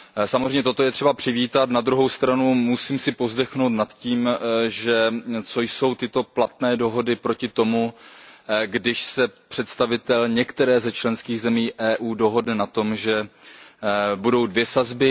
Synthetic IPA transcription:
samozɾrɛjɲɛt̪ot̪ojɛt̪r̥ɛbapr̝̥ɪviːt̪at̪nad̪ɾuɦo̞wst̪ɾanumusiːmsɪpo̞zdɛxnowt̪nat̪ciːmʒɛt͡so̞jso̞wt̪ɪt̪o̞plat̪nɛːdo̞ɦo̞dɪpɾo̞cɪt̪o̞mu | ɡdɪʃsɛpr̥ɛt̪st̪avɪt̪ɛlɲɛkt̪ɛɾɛːzɛt͡ʃlɛnskiːɣzɛmiːʔɛːʔuːdo̞ɦo̞dnɛnat̪o̞mʒɛ | budo̞wdvjɛsazbɪ

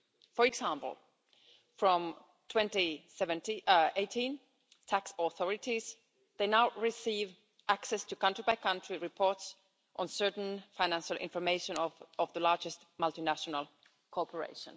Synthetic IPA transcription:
fəɹɨɡsæ̃mpl̩ˠ | fɹɔ̃m | tʰw̥ɛ̃ntisɛvɨ̃ntieɪtʰĩn | tʰæksɔθɔɹɪtiz | ðeɪnaʊɹɪsiv | ʔæksɛstʰɨkʌ̃ntɹibaɪkʰʌ̃ntɹ̥iɹɪpʰɔɹts | ʔə̃nsɜ˞tn̩fãɪnæ̃nʃəl̩ˠʔɪ̰̃ɱfə˞meɪʃə̃nɔvðəlɑɹd͡ʒɨstmʌlˠtinæʃənəl̩ˠ | kʰɔpʰə˞ḛɪʃə̰̃n

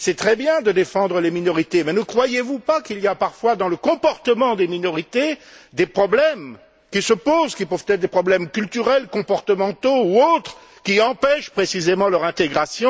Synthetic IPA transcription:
sɛt̪χɛbjɛ̃d̪əd̪efɑ̃d̪ʁəleminɔʁit̪emɛnəkχwajevupakilijapaʁfwad̪ɑ̃ləkɔ̃pɔʁt̪əmɑ̃d̪eminɔʁit̪ed̪epχɔblɛm | kʲisəpozkʲipøvt̪ɛt̪χd̪epχɔblɛmkʲylt̪yʁɛlkɔ̃pɔʁt̪əmɑ̃t̪ouot̪χə | kʲiɑ̃pɛʃpχesizemɑ̃lœʁɛ̃t̪eɡʁasjɔ̃

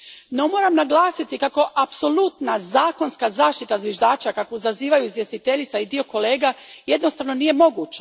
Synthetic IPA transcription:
no̞mo̞ːɾamnaɡlˠaːsit̪ikako̞ʔapso̞lˠut̪nazaːko̞nskazaːʃt̪it̪azʋjeʒd̪aːt͡ʃakakoizaziːʋajuizje̞st̪it̪e̞ʎit̪said̪io̞ko̞le̞ːɡaje̞d̪nost̪aʋno̞nije̞mo̞ɡuːt͡ʃa

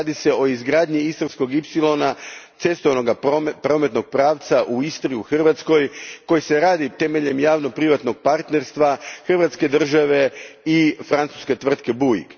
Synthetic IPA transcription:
ad̪ise̞o̞izɡɾaːd̪ɲiist̪oɾsko̞ɡipsilˠo̞nat̪se̞st̪oʋano̞ɡapɾo̞me̞t̪no̞ɡ̚pɾaːʋt̪saʔuist̪oɾiuxr̩ʋat̪sko̞jko̞jise̞ɾaːd̪it̪e̞me̞ʎe̞mjaːʋnopɾiʋat̪no̞ɡ̚paɾt̪ne̞ɾst̪ʋaxr̩ʋat̪ske̞d̪r̩ʒaʋe̞ifɾant̪su̥ske̞t̪ʋr̩t̪ke̞buḭɡ

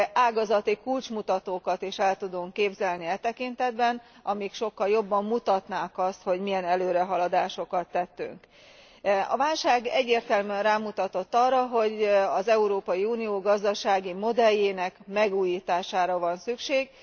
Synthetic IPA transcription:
aːɡɒzɒt̪ikult͡ʃmut̪ɒt̪oːkɒt̪iʃɛlt̪ud̪uŋkːeːbzɛlniɛt̪ɛkint̪ɛd̪bɛnɒmikʃo̞kːɒljo̞bːɒmːut̪ɒt̪naːkɒst̪ho̞ɟmijɛnɛløːɾɛɦɒlɒd̪aːʃo̞kɒt̪ːɛt̪ːy̰ŋk | ɒ̰vaːlʃaːɡɛɟːeːrt̪ɛlmyɛnraːmut̪ɒt̪o̞t̪ːɒrːɒɦo̞ɟɒzɛuɾoːpɒjiuːnijoːɡɒzd̪ɒʃaːɡimo̞d̪ɛjːeːnɛkmɛɡuːjiːt̪aːʃaːɾɒvɒnsykʃeːɡ

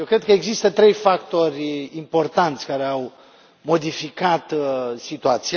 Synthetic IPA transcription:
jewkɾe̞d̪̚kəeɡzist̪ət̪ɾe̞jfakt̪o̞rʲimpo̞rt̪ant̪sʲkaɾe̞aw | mo̞d̪ifikat̪sit̪uat̪sia

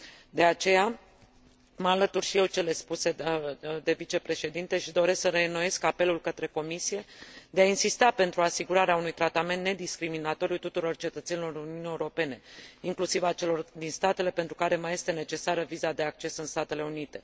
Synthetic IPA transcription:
d̪e̞at͡ʃe̞ja | məalət̪urʃije̞wt͡ʃe̞le̞spuse̞d̪e̞vit͡ʃe̞pɾe̞ʃe̞d̪int̪e̞ʃid̪o̞ɾe̞sksəɾe̞noje̞skape̞lulkət̪ɾe̞ko̞misije̞d̪eainsist̪ape̞nt̪ɾuasiɡuɾaɾeaunujt̪ɾat̪ame̞nt̪ne̞d̪iskɾiminat̪o̞ɾiut̪ut̪uɾo̞rt͡ʃe̞t̪ət̪senilo̞ɾuniunijeuɾo̞pe̞ne̞iŋklusivat͡ʃe̞lo̞rd̪inst̪at̪e̞le̞pent̪ɾukaɾe̞maje̞st̪e̞ne̞t͡ʃe̞saɾəvizad̪e̞ak̚t͡ʃe̞sɨnst̪at̪e̞le̞unit̪e̞

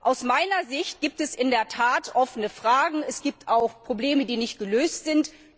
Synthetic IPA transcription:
ʔaʊsmaɪnɐzɪçt̚ɡ̥iːp̚tɛsʔɪndeːɐtʰaːtʔɔfənəfʁ̥aːɡŋ̩ɛsɡ̥iːp̚tʰaʊxpʁ̥obleːmədiːnɪçt̚ɡ̥əløːstz̥ɪnt

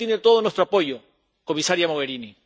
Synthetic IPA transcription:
enet̪oðonwest̪ɾoapo̞ʝo̞ | ko̞misaɾjamoɣe̞ɾini

